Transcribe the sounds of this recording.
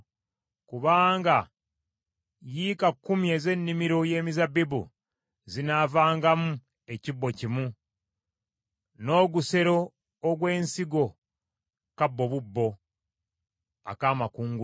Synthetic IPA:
kuβaːŋɡa | jikakːumje̞ze̞nːimiɾo̞je̞ːmizabibṵ | zinavaːŋɡamu | ecibːo̞cimu | no̞ːɡuse̞ɾo̞ː | ɡwe̞ːnsiɡo̞ | kabːo̞βubːo̞ | a̰kaːmakuːŋɡu

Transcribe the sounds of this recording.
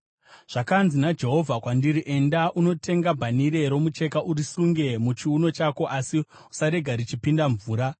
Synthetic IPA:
ʐ̥akanzinad͡ʒe̞ɦo̞vʱakwandiɾiʔe̞ndaʔuno̞tʰe̞ŋɡabʱaniɾe̞ɾo̞mut͡ʃe̞kaʔuɾisuŋɡe̞mut͡ʃiuno̞t͡ʃako̞ʔasi | u̥saɾe̞ɡʱaɾit͡ʃipindaɱvuːɾa

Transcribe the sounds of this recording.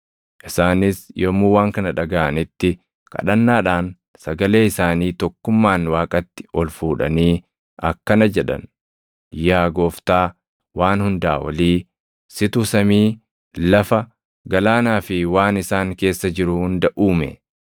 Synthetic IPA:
ʔɪsaːnɪsjʔɔmːuːwaːŋkɐnɐᶑɐɡaʔɐnɪt̪ːɪ | kɐ̰ᶑɐnːaːᶑaːn | sɐɡɐle̞ːɪsaːniːt̪ɔkːʊmːaːnwaːkʼɐt̪ːɪ̥ʔɔlfuːᶑɐ̰niː | ɐkːɐnɐd͡ʒɛᶑɐ̰n | jaːɡoːft̪aː | waːnhʊnd̪aːwɐ̰liː | sɪt̪usɐmiː | lɐfɐ | ɡɐlaːnaːfɪwaːnɪsaːŋke̞ːsːɐd͡ʒɪɾʊhʊnd̪ɐʔuːmɛ̰

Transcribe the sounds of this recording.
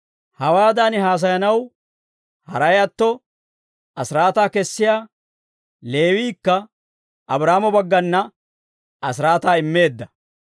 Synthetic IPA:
hɐwaːd̪aːnɪɦaːs̬ɐjɐnɐw | hɐ̰ɾɐjɐt̪ːɔ | ɐsɪɾaːt̪aːkɛsːɪjaː | le̞ːwiːkːɐ | ʔɐbɾaːmɔbɐɡːɐnːɐ | ɐsɪɾaːt̪aːɪmːe̞ːd̪ːɐ

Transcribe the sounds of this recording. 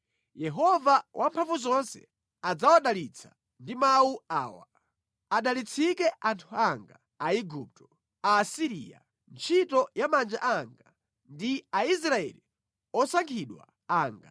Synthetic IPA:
jɛɦɔvawʔampʰaɱvuzɔnsɛ̰ | ad͡zawaɗalit͡sʰa | ndimawuaːwa̰ | aɗalit͡sʰikɛʔantʰuaŋɡa | aiɡup̚tɔ̥ | aːsiɾḭa̰ | nt͡ʃʰitɔjamand͡ʒa̰ʔaŋɡa | ndiais̬ɾaɛ̰li | ɔsaŋkʰiɗwa̰ | aːŋɡa̰

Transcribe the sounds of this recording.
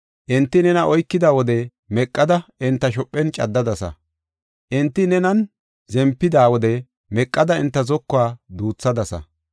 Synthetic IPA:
ʔɪnt̪ːɪnɛnɐʔɔjkːɪd̪aːwɔd̪ɛ | mɛkʼːɐd̪ɐʔɪnt̪ːɐʃ̬ɔpʼːɛnt͡ʃʼɐd̪ːɐd̪ɐsɐ̰ | ʔɪnt̪ːɪnɛnɐn | zɛmpːɪd̪aːwɔd̪ɛ | mɛkʼːɐd̪ɐɪnt̪ːɐzɔkːʊaːd̪uːt͡sːɐd̪ɐsɐ̰

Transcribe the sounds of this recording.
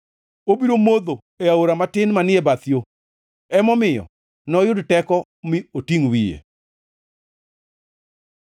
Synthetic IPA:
obiɾomod̪o | eaoɾamatɪnmanɪebat̪jo | ɛmɔmɪjɔ̰ | nɔjʊdtɛkɔ | miotiŋwijḛ

